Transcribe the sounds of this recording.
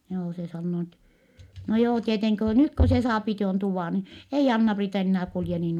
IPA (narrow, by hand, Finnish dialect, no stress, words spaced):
joː se sɑnːoː ni etːɛ no joː tieteŋki ko nyt ko se sɑːpi tuon tuʋɑˑ ni ei ɑnːɑpriːtɑ enːæː kulje niːn